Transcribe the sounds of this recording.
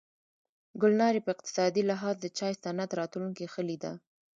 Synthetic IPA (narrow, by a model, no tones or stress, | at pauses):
ɡʊlnɑɾipəɪqt̪ɪ̥sɑd̪ilɪɦɑzd̪ət͡ʃɑjsanat̪ɾɑt̪luŋkixəlid̪a̰